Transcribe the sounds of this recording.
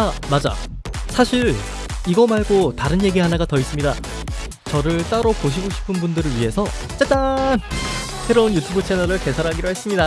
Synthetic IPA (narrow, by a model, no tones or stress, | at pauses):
amad͡ʑa̰ | sʰaɕʰiɾ | iɡʌmaɭɡotaɾɯnje̞ɡiɦanaɡatʌis͈ɯmɲida | t͡ɕʌɾɯɭt͈aɾopoɕʰiɡoɕʰi̥pʰɯnbundɯɾɯɭɥiɦe̞sʰʌ | t͡ɕ͈et͈an | se̞ɾounjutʰubɯt͡ɕʰenʌɾɯɭke̞sʰaɾɦaɡiɾoɦe̞s͈ɯmɲida